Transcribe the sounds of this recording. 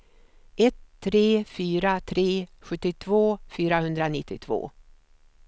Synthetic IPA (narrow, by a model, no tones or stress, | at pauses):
ʔɛt̪ʰːɾeːfyːɾat̪ʰɾeːɧɵt̪ːɪt̪ʰvoːfyːɾahɵnd̪ɾanɪt̪ːɪt̪ʰvo̰ː